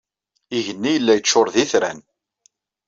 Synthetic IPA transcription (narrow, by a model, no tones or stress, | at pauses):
iʝənːijəlːæjət͡ʃːʊɾˤðiθɾæn